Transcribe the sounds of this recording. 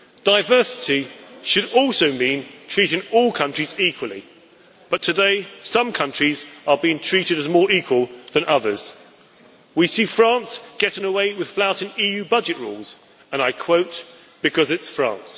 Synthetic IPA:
d̥aɪvɜˑsɪ̥tiʃɨɾɔˑlˠsəʊmĩntʰɹ̥iˑɾɪ̃ŋɔlˠkʰʌ̃nt͡ʃɹ̥iziˑkʰwəlˠḭ | b̥ʌtʰɨdeɪsʌ̃mkʰʌ̃nt͡ʃɹ̥izəbiɪ̃ŋtʰɹ̥iˑɾɨɾɨzmɔːɹiˑkʰwəlˠðə̃nʔʌðə˞z̥ | wisifɹɑ̃ˑnsɡ̥ɛɾɪ̃ŋəweɪwɪð̥flaʊɾɪ̃ŋiːjʉːbʌd͡ʒɨʔɹṵːlˠz̥ | ə̃naɪkʰw̥oʊt | b̥ɨkʰʌzɪtsfɹɑ̰̃ˑns

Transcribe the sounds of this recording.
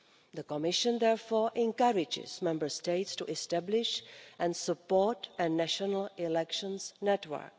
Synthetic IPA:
ðəkɔmɪʃə̃nd̪ɛɹfɔːɹʔɛ̃nkaɹɪd͡ʒɪ̰z̥mɛ̃mbə˞steɪtstuʔɛstæblɪʃʔɛ̃nsəpɔɹtənæʃənəl̩ɪlɛkʃə̃nsnɛtwə̰˞k

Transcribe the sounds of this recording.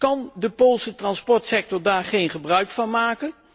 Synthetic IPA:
kɑndəpoːlˠsətrɑnspɔɹtsɛk̚tɔɹdaːɹχejnχəbrœɥkfɑnmaːkən

